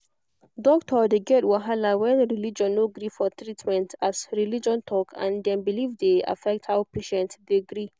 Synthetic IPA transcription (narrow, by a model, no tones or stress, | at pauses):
dɔktʰɔdeɡɛtwaɦalawɛ̃nɹilid͡ʒɔ̃nːoɡɾifɔt̪ɾitmɛ̃ntasɹilid͡ʒɔ̃ntʰɔkʰã̰nd̪ɛ̃nbilivd̪ea̰fɛk̚thawpeʃɛ̃ntdiɡɾi